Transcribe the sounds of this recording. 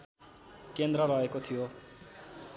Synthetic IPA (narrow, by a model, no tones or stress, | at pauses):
kend̪rʌɾʌekot̪ʰijo